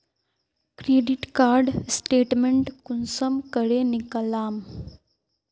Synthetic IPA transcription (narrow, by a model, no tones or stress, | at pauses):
kɾeːɖiʈkaːɾɖsʈeːʈmeɳʈkunsəmkəɾenikəlaːm